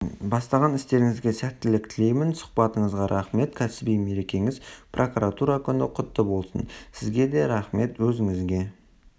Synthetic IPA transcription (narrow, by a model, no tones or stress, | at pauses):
bɑst̪ɑʁɑnɪst̪e̞ɾɪŋɪzɡʲe̞sæt̪ːɪlɪkt̪ʰɪle̞jmɪnsʊ̥qbɑt̪əɴəzʁɑɾʔɑχme̞t̪kʲʰæsɪbijme̞ɾe̞kʲe̞ŋɪzprʔo̞kuɾat̪uɾakʲʰʏnɪqʰʊt̪ːəbo̞lˠsə̰nsɪzɡʲe̞d̪e̞ɾɑχme̞t̪wɵzɪŋɪzɡʲe̞